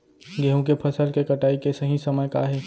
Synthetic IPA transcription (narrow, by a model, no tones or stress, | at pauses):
ɡeːɦõkepʰɐsəlkekɐʈaːikesɐɦĩsɐməjkaɦɛː